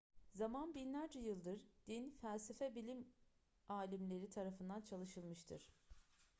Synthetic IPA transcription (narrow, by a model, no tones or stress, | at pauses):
zamanbinlʲæɾd͡ʒɛjɯlˠd̪ɯɾd̪̥infælʲsefɛbilʲim | aːlʲimlʲe̞ɾit̪ʰaɾafɯnd̪ant͡ʃʰalˠɯʃɯlˠmɯʃt̪ʰɯɾ̝̥